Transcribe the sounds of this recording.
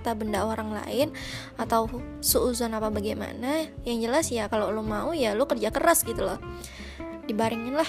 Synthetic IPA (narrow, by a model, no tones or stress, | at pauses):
t̪abəndaoɾaŋla̰ɪn | at̪aw | suuzɔnapabaɡajma̰najaŋd͡ʒəlasjakalolumaujalʊkərd͡ʒakəɾasɡit̪ulɔh | d̥ibaɾɪŋɪnlah